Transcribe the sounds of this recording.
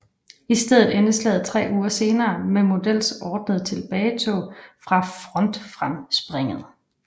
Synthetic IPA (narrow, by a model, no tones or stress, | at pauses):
isd̥eð̞̰ˠð̩ˠenəslɛ̰ð̞̩ˠt͡sʰʁɛ̰ːuːɐse̝ːnɐːmemo̝d̥el̰sɒːd̥nəð̞̩ˠt͡sʰe̝lb̥ɛːɪt͡sʰofʁɑ̈fʁɒ̽nd̥fʁamsb̥ʁeŋ̰əð̩ˠ